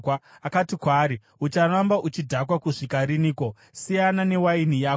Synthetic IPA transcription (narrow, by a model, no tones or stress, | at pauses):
a | akatikwaːɾi | ut͡ʃarambaʔut͡ʃidʱakwakuʂikaɾiniːko̞ | sijanane̞wainijaː